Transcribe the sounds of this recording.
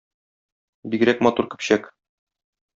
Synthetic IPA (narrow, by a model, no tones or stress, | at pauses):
biɡɘɾækmɒt̪uɾkɘ̥̆pɕæk